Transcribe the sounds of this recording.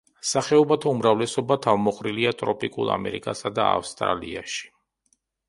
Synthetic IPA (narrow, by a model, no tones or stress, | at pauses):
saχɛɔbat̪ʰaumɾavlɛsɔbat̪ʰavmɔχʼɾiliat̪ʼɾɔpʼikʼṵlˠa̰mɛ̰ɾḭkʼasad̪aa̰fst̪ʼɾa̰lḭaʃi̥